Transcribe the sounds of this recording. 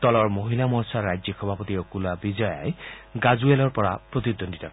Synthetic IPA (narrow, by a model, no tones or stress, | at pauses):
t̪ɔlɔɹmoɦilamɔsaɹːajd͡ʒjɔxʰɔbʱapɔt̪iokulabizɔja̰jɡazuelɔɹpɔɹapɹot̪id̪ʱːondit̪ak